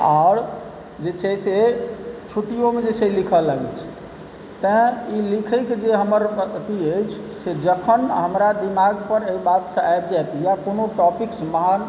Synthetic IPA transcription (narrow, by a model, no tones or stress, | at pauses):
a̰ɽ | d͡ʒet͡ʃʰɛset͡ʃʰuʈijomed͡ʒet͡ʃʰɛlikʰəlaɡɛt͡ʃʰ | t̪ə̃ilikʰəɪkd͡ʒeɦəməɾt̪iəjt͡ʃʰsed͡ʒəkʰənɦəmɾad̪imaɡpəɾeibat̪sə̃ajbd͡ʒajt̪ijakonoʈɔpiksməɦan